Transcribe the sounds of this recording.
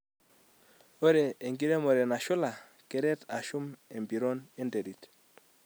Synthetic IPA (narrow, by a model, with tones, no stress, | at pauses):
o˦ɾeː˨ŋɡi˦ɾe˦mɔ˨ɾɛ˨na˨ʃʊ˦la˨ | kɛ˨ɾɛ˦ta˨ʃu˦me˨mbi˨ɾɔ˦ne˦nde˨ɾi˨t